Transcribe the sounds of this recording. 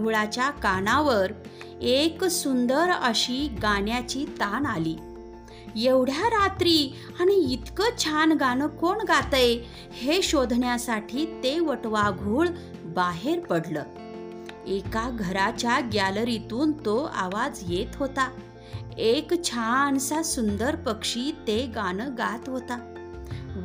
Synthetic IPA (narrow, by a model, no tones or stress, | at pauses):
ɭat͡ɕjakaɽaʋəɾ | eksund̪əɾəɕiɡaɳjat͡ɕit̪analiː | jeʋɽ̤jaɾat̪ɾiː | aɽ̃iːt̪kət͡ɕʰanɡanəkoɳɡat̪əj | heɕod̪ʱɳjasaʈʰiːt̪eʋəʈʋaɡʱuːɭ | baɦeɾpəɽləː | ekaɡʱəɾat͡ɕjaɡjalɾit̪uːnt̪oa̰ʋad͡zjet̪ɦot̪a | ekt͡ɕʰant͡sasund̪əɾpəkʂiːt̪eɡanəɡat̪ɦot̪a